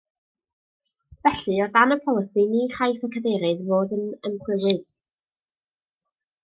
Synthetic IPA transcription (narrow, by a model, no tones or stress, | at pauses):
vɛɬɨɔrdanəpʰɔlˠəsiniːχʰajfɔkʰəðɛɾɨðvoːdənəmχʰwɪwɨð